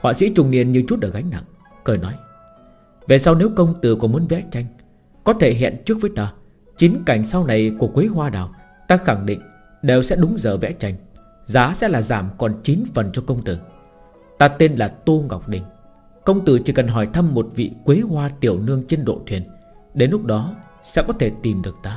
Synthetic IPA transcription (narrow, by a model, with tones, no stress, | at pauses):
hwa̰ː˧˨sḭ˧˥t͡ɕʊ˨˩ŋ͡mnḭ˧˨ənɲɨ˧t͡ɕu˦˥t̚ʔəː˧˨˩ɣa˨˦jŋ̟na̰˧˨ŋ | kəː˨˩jnɔ˨˦j | ve˨˩sa˧wne˨˦wkə˧wŋ͡mt̪ɨ˨˩kɔ˨˩˦mu˨˦ənvɛ̰˧˥t͡ɕa˧jŋ̟ | kɔ˨˦t̪ʰe˧˩ɦɛ̰˧˨nt͡ɕɨ˦˥ək̚vəː˨˦jt̪aː˧ | t͡ɕi˨˦nka˨˩jŋ̟sa˧wna˨˩jku˧˩əkwe˨˦ɦwaː˧ɗaː˨˩w | t̪aː˧xa˧˩ŋɗḭ̈˧˨ŋ̟ | ɗe˨˩wsɛ̰˧˥ɗʊ˨˦ŋ͡mzəː˧˩vɛ̰˧˥t͡ɕa˧˩jŋ̟ | zaː˨˦sɛ̰˧˥laː˨˩zaː˧˩mkɔ˨˩nt͡ɕi˨˦nfə˨˩nt͡ɕɔ˧kə˧wŋ͡mt̪ɨ˧˩ | t̪aː˧t̪e˧nlaː˨˩t̪o˧ɣa̰˨˩wk͡p̚ɗï˨˩ŋ̟ | kə˧wŋ͡mt̪ɨ˧˩t͡ɕi˧˩kə˨˩nɦɔ˧˩jt̪ʰə˧mːo˨˩t̚vḭ˧˨kwe˨˦ɦwaː˧t̪i˨˩əwnɨ˧əŋt͡ɕe˧nɗo̰˧˨t̪ʰwi˨˩ənɗe˨˦nlʊ˦˥k͡p̚ɗɔ˨˦ | sɛ̰˧˥kɔ˨˦t̪ʰe˧˩t̪i˨˩mɗɨ˨˩ək̚t̪aː˧